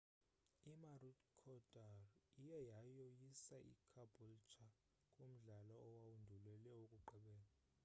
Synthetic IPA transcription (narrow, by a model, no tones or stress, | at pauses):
imarutkʰɔdʼarijɛjajɔjisaʔḭkʰabʱult͡ʃʰa | kʼom̩ɮalɔːwawundʱulɛlɛokʼuǃɛɓɛːla